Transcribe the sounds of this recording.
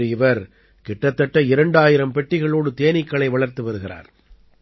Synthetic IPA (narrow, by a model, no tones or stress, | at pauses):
ɯɪʋɐɾ | kɪʈːɐt̪ːɐʈːɐɪɾɐɳɖaːjɪɾɐmpɛʈːɪɣɐɭoːɽɯt̪eːnɪkːɐɭɐɪʋɐɭɐɾt̪ɯʋɐɾɯɣɪra̰ːɾ